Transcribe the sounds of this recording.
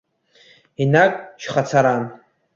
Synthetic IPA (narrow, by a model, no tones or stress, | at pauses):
inakʼʃχat͡sʰaɾan